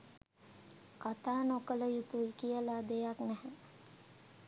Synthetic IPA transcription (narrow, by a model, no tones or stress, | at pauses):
kat̪aːnokələjut̪ujkijəlad̪ejaknɛɦə